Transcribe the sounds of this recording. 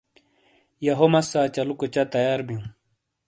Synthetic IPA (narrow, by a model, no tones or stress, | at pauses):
jɐɦomɐsaːt͡ɕɐlukot͡ɕɐt̪ɐjaːɾbijũ